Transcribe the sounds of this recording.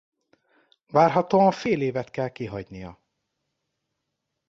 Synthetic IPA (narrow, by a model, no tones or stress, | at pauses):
vaːrɦɒt̪oːɒɱfeːleːvɛt̪kɛlkiɦɒɟnijɒ̰